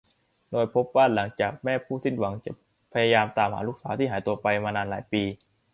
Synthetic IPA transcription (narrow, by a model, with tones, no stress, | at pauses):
doː˧jpʰo˦˥p̚baː˥˩nla˩˦ŋt͡ɕaː˨˩k̚mɛː˥˩pʰuː˥˩si˥˩nwa˩˦ŋt͡ɕa̰˨˩ | pʰa˧jaː˧jaː˧mt̪aː˧mha̰ː˩˦luː˥˩k̚saː˩˦t̪i˥˩ɦaː˩˦jt̪u˧ɐpa˧jmaː˧naː˧nlaː˩˦jpiː˧